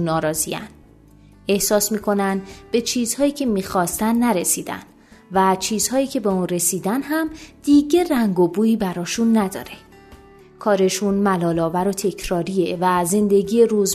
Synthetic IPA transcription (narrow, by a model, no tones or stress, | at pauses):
nːɒːɾɒːziæ̰n | e̞hsɒːsmiːkʰo̞nænd̪b̥e̞t͡ʃʰiːz̥hɒːjiːcʰe̞miːxɒːst̪ænːæɾe̞siːd̪æ̰n | væt͡ʃʰiːz̥hɒːjiːcʰe̞be̞uːnre̞siːd̪ænɦæmd̪̥iːɟeræŋɡobuːiːbæɾɒːʃunːæd̪ɒ̰ːɾe̥ | kʰɒːɾe̞ʃunmælɒːlɒːvæɾo̞t̪ʰe̞cʰɾɒːɾie̞væze̞nd̪e̞ɟiːjeɾuz